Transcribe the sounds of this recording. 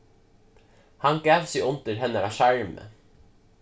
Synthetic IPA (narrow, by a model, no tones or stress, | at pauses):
hɑŋɡæːʋsiʔʊnt̪əɾhɛnəɾɑːʃæɹmə̰